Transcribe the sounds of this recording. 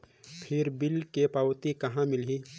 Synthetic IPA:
pʰɪɾbɪlkepawt̪ikɐɦãmɪli

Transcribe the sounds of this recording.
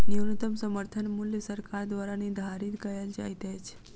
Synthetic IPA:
niwnut̪əmsəməɾt̪ʰənmuljəsəɾkaɾd̪ʋaɾanid̪ʱaɾit̪kəjald͡ʒa̰jt̪ajt͡ʃʰe̥

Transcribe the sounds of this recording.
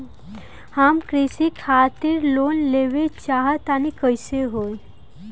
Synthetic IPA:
hamkɾisikʰat̪iɾlonleʋet͡ʃaɦat̪anikəjseɦoj

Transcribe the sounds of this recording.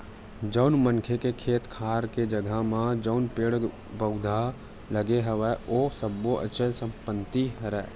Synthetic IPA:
d͡ʒəʊnmənkʰekekʰeːt̪kʰaːɾked͡ʒəɡʱəmãd͡ʒəʊnpeːɽbəʊd̪ʱaləɡeɦəʋɛosəbːoʔə̰ʃʰəsə̃mpənt̪iɦəɾɛː

